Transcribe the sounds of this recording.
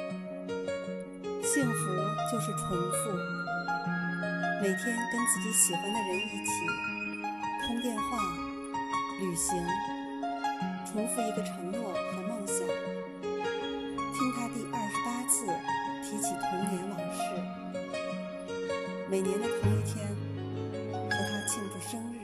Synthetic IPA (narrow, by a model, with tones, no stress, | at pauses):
ɕi˥˩ŋfu˧˥t͡ɕjo˥˧ʊʂɻ̩˥˩ʈ͡ʂʰwə˧˥ŋfu˥˩ | me˨˩ɪt̪ʰjɛ˥nkə˥nt͡sɹ̩˥˩t͡ɕi˧˥ɕ̩˨˩xə˧˥ŋd̪ə˨wə˧˥ni˧˥t͡ɕʰi˨˩ | t̪ʰʊ˥ŋt̪jɛ˥˧nxwa˥˩ | ly˨˩ɕi˧˥ŋ | ʈ͡ʂʰwʊ˧˥ŋfu˥˩i˧˥ɡə˧ʈ͡ʂʰɤ˧˥ŋnwɔ˥˩xɤ˧˥mɑ˥˩ŋɕə˨˩˦ | t̪ʰi˥ŋt̪ʰa˥t̪i˥˧ʔɐ˥˩ʂɻ̩˧˥pa˥t͡sʰɹ̩˥˩t̪ʰi˧˥t͡ɕʰi˨˩t̪ʰʊ˧˥ŋnjɛ˧˥nlɑ˨˩ŋʂɻ̩˥˩ | me˨˩ɪnjɛ˧˥nd̪ə˧t̪ʰʊ˧˥ŋi˥˩t̪ʰjɛ˥n | xɤ˧˥˩t̪ʰa˥t͡ɕʰi˥˧ŋʈ͡ʂu˥˩ʂɤ˥ŋɻɻ̩˥˩